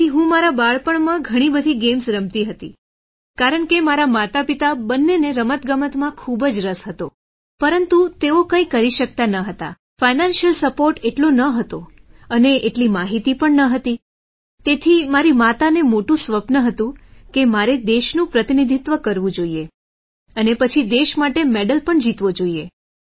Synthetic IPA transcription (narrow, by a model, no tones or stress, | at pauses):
iɦũmaɾabaɭpəɳmãɡʱəɽ̃ibəd̪ʱiɡemsɾəmt̪iɦət̪ḭ | kaɾəɳkemaɾamat̪apit̪abənːeneɾəmət̪ɡəmət̪mãkʰubəd͡ʒɾəsɦət̪o | pəɾənt̪ut̪eokə̃ĩkəɾiʃək̚t̪anəɦət̪a̰ | fainanʃəlsəpoɾʈeʈlonəɦət̪o | əneʔeʈlimaɦit̪ipəɳnəɦət̪i | t̪et̪ʰimaɾimat̪anemoʈũsʋəpnəɦət̪ũkemaɾed̪eʃnũpɾət̪inid̪ʱit̪ʋəkəɾʋũd͡ʒoie | ənepət͡ʃʰid̪eʃmaʈemeɖəlpəɳd͡ʒit̪ʋod͡ʒoie